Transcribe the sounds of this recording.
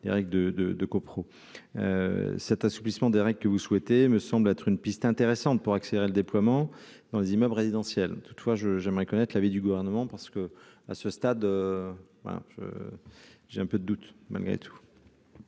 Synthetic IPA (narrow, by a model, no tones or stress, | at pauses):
lḛʁɛɡləd̪əd̪əd̪əkopχo | ø̰sɛt̪asu̥plismɑ̃d̪eʁɛɡlkəvuswɛt̪eməsɑ̃blɛt̪χynpist̪ɛ̃t̪eʁesɑ̃t̪̚puʁakseleʁeləd̪eplwamɑ̃d̪̥ɑ̃lezimœblʁezid̪ɑ̃sjɛlt̪u̥t̪fwaʒəʒɛmʁɛkɔnɛt̪χlavid̪yɡuvɛʁnəmɑ̃paʁsə̥kə | a̰səst̪ad̪ø | bã̰ʒ̥ə̰ | ʒ̥eɛ̃pød̪əd̪ut̪mʔa̰lɡʁḛt̪ʰu̥